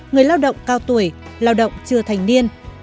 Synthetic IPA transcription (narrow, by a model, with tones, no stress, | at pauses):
ŋɨ˨˩əjlaː˧wɗə̰˧˨wŋ͡mkaː˧˩wt̪u˧˩əjlaː˧wɗə̰˧˨wŋ͡mt͡ɕɨ˧˩ət̪ʰa˨˩jŋ̟ni˧ən